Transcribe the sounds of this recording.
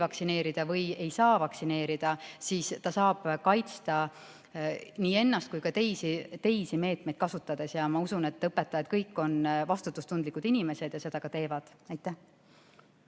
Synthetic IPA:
vɑksine̞ːɾid̪̥ɑvɤje̞jsɑːvɑksine̞ːɾid̪̥ɑsiːst̪ɑsɑːb̥kɑjt̪st̪ɑ | niːe̞nːɑst̪̚kujkɑt̪e̞jsit̪e̞jsime̞ːt̪mejd̪̥̚kɑsut̪ˑːɑd̪̥e̞sjɑmɑusune̞t̪ːˑɤpːˑet̪ːˑɑjɑd̪̥̚kɤjkːˑo̞nvɑst̪ut̪ːˑust̪und̪likud̪inime̞se̞d̪jɑse̞d̪̥ɑɡ̥ɑt̪e̞ːvɑd̪̥ | ɑjt̪ːˑæh

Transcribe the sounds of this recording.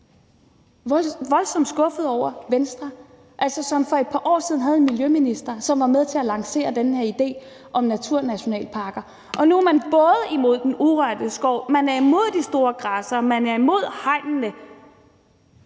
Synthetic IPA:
ʋɒ̽lsɒ̽m̰d̥sɡ̥ɔ̽fəð̩ˠɒʊ̰ɐʋensd̥ʁɑ | ʔælsɒsɒ̽mfɒ̽e̝d̥̚pʰɑ̈ʔɒ̰ːsið̞ˠn̩ɦæð̞̩ˠe̝nmiljøminisd̥ɐsɒ̽mʋɑ̈meðˠt͡sʰe̝ælɑ̈ŋse̝̰ːɐd̥enəheɐid̥e̝̰ː | ʔɒ̽mnæt͡sʰuɐ̰næɕo̝nɛ̰ːlpʰɑ̈ːɡ̥ɐ | ʔɒ̽nuæmænb̥ɔ̽ːð̞ˠəimo̝ð̞̰ˠd̥enuʁɶɐd̥əsɡ̥ɒʊ̰mænæɐimo̝ð̞̰ˠd̥isd̥o̝ːɐɡ̥ʁɑsɐmænæɐimo̝ð̞̰ˠhɑ̈ɪ̰nnə

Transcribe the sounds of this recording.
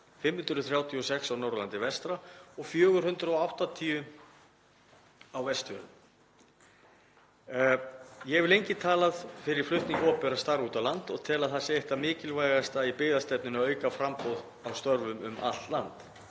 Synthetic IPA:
fɪmhʏnt̪ɾʏθɾjaːwt̪ʰiɔsɛksawnawɾlant̪ɪvɛst̪ɾaɔɣfjœːɣʏɾ̥hʏnt̪ɾɔawht̪at̪ʰiːʏ | awvɛst̪vœlʏm | jɛvɪlejɲcɪt̪ʰaːlaðfɪɾɪɾ̥flʏht̪niŋkɔːpɛɾast̪aɾuːt̪alant̪ɔɣt̪ʰɛːlaðθasɪeht̪amɪːcɪlvaːjɣast̪aipɪðast̪ɛpnʏnaœːɥkafɾampowð | awst̪œɾvʏmʏ̰mʔa̰lt̪lant̪

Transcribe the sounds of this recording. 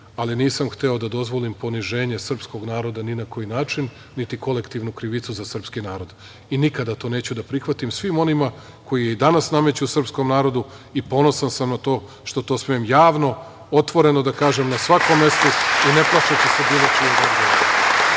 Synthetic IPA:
aliniːsamxt̪eo̞d̪ad̪o̞zʋo̞limpo̞niʒe̞ːɲe̞sr̩psko̞ɡnaːɾo̞d̪aninako̞jinaːt͡ʃinː | it̪iko̞le̞kt̪iʋnukɾiʋit̪suzasr̩pskinaːɾo̞d̪ | inikad̪at̪o̞ːne̞ːt͡ɕud̪apɾixʋat̪imsʋimo̞nima | ko̞jijeid̪anasname̞t͡ɕusr̩psko̞mnaːɾo̞d̪u | ipo̞no̞sansamnat̪o̞ː | ʃt̪o̞t̪o̞ːsmiemjaːʋno̞ | o̞t̪ʋo̞ɾe̞no̞d̪akaːʒemnasʋako̞mːe̞st̪oine̞plˠaʃet͡ɕese̞biːlˠo̞t͡ʃijed̪ozɡoɾ

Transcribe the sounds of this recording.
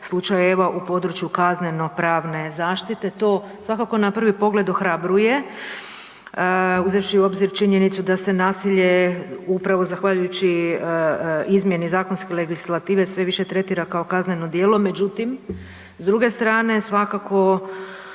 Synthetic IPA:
slˠut͡ʃajeʋaʔupo̞d̪ɾut͡ʃjukazne̞no̞pɾaːʋne̞zaːʃt̪it̪e̞t̪o̞ː | sʋakako̞napr̩ʋipo̞ɡle̞d̪o̞xɾabɾuje̞ | uzefʃiuo̞bziɾt͡ʃiɲe̞nit̪sud̪ase̞naːsiʎe̞upɾaʋo̞zaxʋaʎujut͡ɕi | izmje̞nizaːko̞nskeleɡislat̪iːʋe̞sʋe̞ʋiʃe̞t̪ɾe̞t̪iːɾakaokazneno̞d̪jeːlo̞me̞d͡ʒut̪im | zd̪ɾuɡe̞st̪ɾaːne̞sʋakako̞

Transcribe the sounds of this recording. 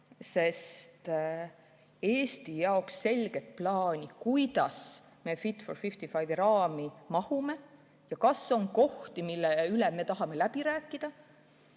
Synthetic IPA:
se̞st̪ | e̞ːst̪ijɑoksːe̞lʲɡ̥e̞t̪̚plɑːnʲikujd̪̥ɑs | me̞fit̪forfift̪ifɑjvɾɑːmimɑhume̞ | jɑkɑso̞ŋko̞ht̪imilːeyleme̞t̪ɑɦɑme̞læb̥iɾæːkːˑid̪̥ɑ

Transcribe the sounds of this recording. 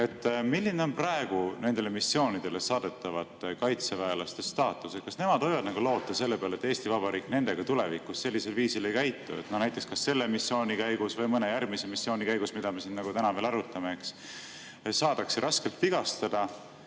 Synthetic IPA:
e̞t̪ˑːmilːineo̞nprɑe̞ɡ̥une̞nd̪̥e̞le̞misːio̞ːnid̪̥e̞le̞sɑːd̪̥e̞t̪ːɑvɑt̪ːkɑjt̪sevæelɑst̪est̪ɑːt̪ˑːuset̪kɑsne̞mɑd̪̥o̞jvɑd̪nɑɡ̥ulo̞ːt̪ːˑɑse̞lːe̞peɑle̞t̪ːe̞ːst̪ivɑb̥ɑɾiːkne̞nd̪e̞ɡ̥ɑt̪ule̞vikːˑusse̞lːise̞lviːsile̞jkæjt̪ːuet̪nonæjt̪ːˑekskɑsːe̞lːe̞misːjo̞ːnʲikæjɡ̥usvɤjmɤne̞jærmisemisːjo̞ːnʲikæjɡ̥usmid̪ɑme̞sinnɑɡ̥ut̪ænɑve̞ːlɑɾut̪ːˑɑme̞eks | sɑːd̪̥ɑkseɾʔɑske̞lt̪viɡ̥ɑst̪ɑd̪̥ɑ

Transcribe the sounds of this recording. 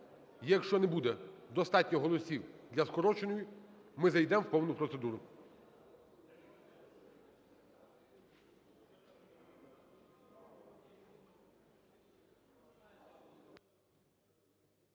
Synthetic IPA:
jɐkʃt͡ʃɔnɛbud̪ɛd̪ɔst̪ɑtʲnʲɔɦɔlˠɔsʲiwd̪lʲɐskɔɾɔt͡ʃenɔjʊmɪzɐjd̪ɛmwpɔwnʊpɾɔt̪sed̪uɾʊ

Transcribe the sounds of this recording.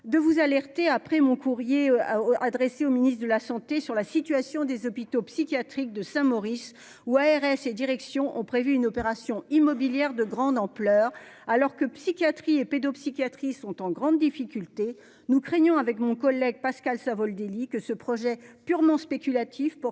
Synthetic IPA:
d̪əvuzalɛʁt̪eapχɛmɔ̃kuʁjead̪ʁɛseominist̪d̪əlasɑ̃t̪esyʁlasit̪ɥasjɔ̃d̪ezɔpit̪opsikʲjat̪χik̚d̪əsɛ̃mɔʁis | uaɛʁɛsed̪iʁɛksjɔ̃ʔɔ̰̃pχevyːnɔpeʁasjɔ̃imɔbiljɛʁd̪əɡʁɑ̃d̪ɑ̃plœʁ | alɔʁkəpsikʲjat̪χieped̪ɔpsikʲjat̪χisɔ̃t̪ɑ̃ɡʁɑ̃d̪ːifikʲylt̪e | nukχɛɲɔ̃avɛkmɔ̃kɔlːɛɡ̚paskalsãvɔld̪elikəsəpχɔʒɛpyʁmɑ̃spekʲylat̪ʰifpɔ

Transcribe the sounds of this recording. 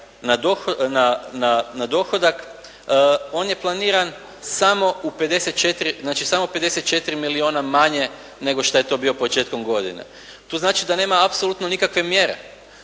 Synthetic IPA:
nad̪oxnananad̪o̞xod̪ak | o̞ːnje̞plˠaniːɾan | samo̞upe̞d̪e̞set̪̚t͡ʃe̞t̪ɾiznaːt͡ʃisamope̞d̪e̞se̞t̪t͡ʃe̞t̪ɾimilioːnamaɲe̞ | ne̞ɡo̞ʃt̪aje̞t̪o̞ːbio̞po̞t͡ʃe̞ːt̪ko̞mɡo̞d̪ḭnḛ | t̪uːznaːt͡ʃid̪ane̞ːmaapsolut̪nonikakʋe̞mje̞ɾe̞̰

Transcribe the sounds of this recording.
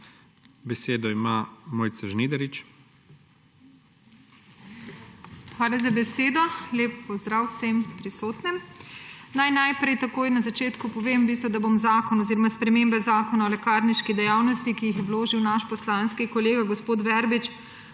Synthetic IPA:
bɛseːd̪ɔimamoːjt̪sɛʒniːd̪ɛɾit͡ʃ | xʋaːlazabɛseːd̪ɔleːpːɔzd̪ɾaːwsempɾisoːt̪nɛm | najnajpɾɛjt̪akoːjnazat͡ʃeːt̪kupɔʋeːmbist̪ʋɔd̪abomzaːkɔnɔziɾɔmaspɾɛmeːmbɛzaːkɔnaɔlɛkaːɾniʃkid̪ɛjawnɔst̪ikijixjɛwloːʒiwnaʃpɔslanskikɔleːɡaɡospoːt̪ʋɛɾbit͡ʃ

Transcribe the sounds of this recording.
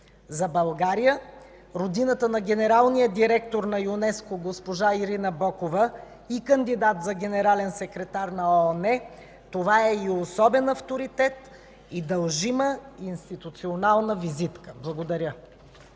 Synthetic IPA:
zɐbɐlˠɡaɾijə | ɾod̪inət̪ənɐɡʲɛnɛɾalˠnijəd̪iɾɛkt̪oɾnɐjʊnɛskoɡospoʒaiɾinɐbɔkovə | ikɐnd̪id̪at̪zɐɡʲɛnɛɾalɛnsɛkɾɛt̪aɾnɐɔnɛ | t̪ovaɛiosɔbɛnɐft̪oɾit̪ɛt̪ | id̪ɐlˠʒiməinst̪it̪ut̪sionalˠnəvizit̪kə̥blˠɐɡod̪ɐɾʲə

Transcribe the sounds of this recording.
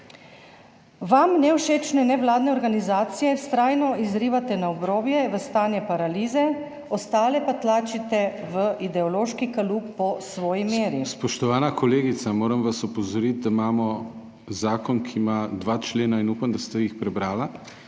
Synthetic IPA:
ʋamnɛwʃeːt͡ʃnɛnɛʋlaːd̪nɛɔɾɡanizaːt̪sijɛst̪ɾaːjnɔizɾiːʋat̪ɛnaɔbɾoːbjɛʋəst̪aːnjɛpaɾaliːzɛ | ɔst̪aːlɛpat̪laːt͡ʃit̪ɛʋəʔid̪ɛɔloːʃkikalukpɔsʋɔːjimeːɾispɔʃt̪ɔʋaːnakɔleːɡit̪samoːɾɐmʋasɔpɔzɔɾit̪̚d̪aimaːmɔ | zaːkɔnkʰiːmad̪ʋaːt͡ʃleːnainuːpamd̪ast̪ajixpɾɛbɾaːla

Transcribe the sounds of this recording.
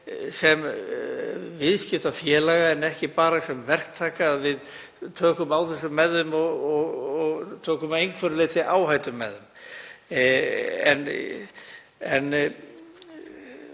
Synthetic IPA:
sɛm | vɪðscɪft̪afjɛːlaɣaɛnɛhcɪpaːɾasɛmvɛr̥k̚t̪ʰaːkaːðvɪð | t̪ʰœːkʏmaːwθɛs̬ːʏmːɛðʏmɔɣɔɣɔɣt̪ʰœːkʏmejŋkʰvœɾʏlɪt̪ʰɪʔaːwɦajt̪ʏmːɛðʏm | ɛ̰n | ɛnː

